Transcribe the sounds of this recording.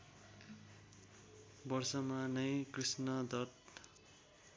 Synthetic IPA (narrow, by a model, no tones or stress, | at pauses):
bʌrsʌmanʌjkrisnʌd̪ʌt